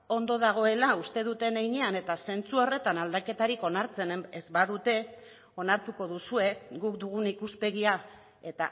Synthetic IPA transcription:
o̞nd̪o̞ðaɣ̞o̞e̞laust̪e̞ð̞ut̪e̞nejɲe̞ane̞t̪ase̞nt͡suo̞re̞t̪anald̪ake̞t̪aɾiko̞naɾt͡se̞nezbaðut̪e̞ | o̞naɾt̪uko̞ðusue̞ɣukd̪uɣ̞unikuspe̞ɣia | e̞t̪a

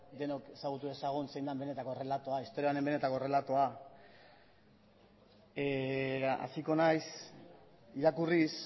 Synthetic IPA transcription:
d̪e̞noke̞saɣut̪ue̞saɣ̞unse̞jnd̪ambe̞ne̞t̪ako̞re̞lat̪oaist̪o̞ɾianembe̞ne̞t̪ako̞re̞lat̪oa | a̰siko̞najs | iɾakuris

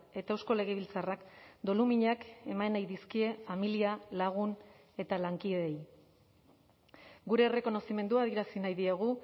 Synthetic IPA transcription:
e̞t̪ae̞wsko̞le̞ɣ̞eβ̞ilt͡sarakd̪o̞lumiɲake̞manajðiskie̞familialaɣ̞un | e̞t̪alaŋkiðej | ɡuɾe̞ːre̞ko̞no̞sime̞nd̪uað̞ie̞ɾasinajðiaɣ̞u

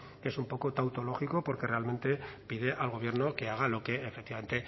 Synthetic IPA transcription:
e̞sumpo̞kot̪awt̪o̞lo̞xiko̞po̞ɾke̞re̞alme̞nt̪e̞pið̞e̞ʔalɣ̞o̞β̞je̞ɾno̞ke̞aɣ̞alo̞ke̞efekt̪iβame̞nt̪e

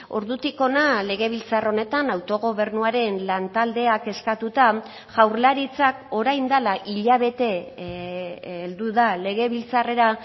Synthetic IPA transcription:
o̞̰ɾðut̪iko̞nale̞ɣe̞β̞ilt͡saro̞ne̞t̪anawt̪o̞ɣ̞o̞βe̞ɾnuaɾe̞nlant̪ald̪e̞ake̞skat̪ut̪a | ʝ̥awɾlaɾit͡sako̞ɾajnd̪alaʔiʎaβ̞e̞t̪e̞ | eld̪uðale̞ɣ̞e̞βilt͡sare̞ɾa

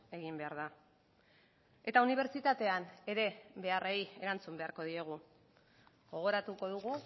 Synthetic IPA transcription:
e̞ɣimbe̞aɾða | e̞t̪auniβ̞e̞ɾt͡ʃit̪at̪e̞ane̞ɾe̞be̞areje̞ɾant͡sumbe̞aɾko̞ð̞ie̞ɣ̞u | ɣo̞ɣ̞o̞ɾat̪uko̞ðuɣu

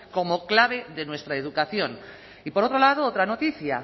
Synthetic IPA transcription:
ko̞mo̞klaβ̞e̞ðe̞nwe̞st̪ɾaeðukaθjo̞n | ipo̞ɾo̞t̪ɾo̞lað̞oot̪ɾanot̪iθja

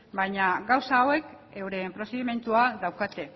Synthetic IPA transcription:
bajɲaɡawsawe̞k | e̞wɾe̞pɾo̞seðime̞nt̪uaðawkat̪e̞

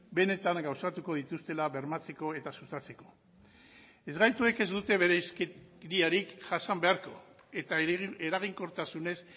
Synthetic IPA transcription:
be̞ne̞t̪aŋɡawsat̪uko̞ð̞it̪ust̪e̞laβe̞ɾmat͡se̞ko̞e̞t̪asust̪at͡se̞ko̞̥ | e̞zɣajt̪ue̞ke̞zd̪ut̪e̞βe̞ɾeskeɾiaɾikʝasambe̞aɾko̞̰ | e̞t̪aeɾaɣ̞iŋko̞ɾt̪asune̞s

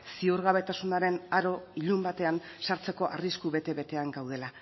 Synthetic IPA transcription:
siuɾɣaβet̪asunaɾe̞naɾo̞iʎumbat̪e̞ansaɾt͡se̞ko̞ʔa̰riskuβe̞t̪e̞βe̞t̪e̞aŋɡawð̞e̞la

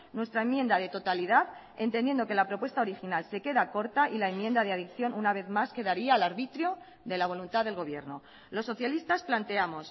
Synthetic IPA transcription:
nwe̞st̪ɾae̞mje̞nd̪að̞e̞t̪o̞t̪aliðað | e̞nt̪ene̞nd̪oke̞lapɾo̞pwe̞st̪ao̞ɾixinalse̞ke̞ðako̞ɾt̪aʔilae̞mːje̞nd̪aðeaðikθjo̞nʔunaβ̞e̞ðmaske̞ðaɾiaːlaɾβit̪ɾjo̞ | ðe̞laβ̞o̞lunt̪aðelɣo̞βje̞̰ɾno | lo̞sːo̞θjalist̪asplant̪e̞amo̞s

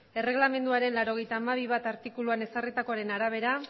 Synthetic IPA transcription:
e̞re̞ɣlame̞nd̪uaɾe̞nlaɾo̞ɣ̞e̞jt̪aːmaβ̞iβ̞at̪aɾt̪ikuluane̞sarit̪ako̞aɾe̞naɾaβ̞e̞ɾa

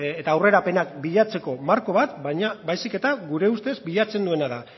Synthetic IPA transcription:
et̪aːwre̞ɾape̞nakbiʎat͡se̞ko̞maɾko̞βat̪baɲabajsike̞t̪aɡuɾe̞ust̪e̞zbiʎat͡se̞nd̪ue̞naða

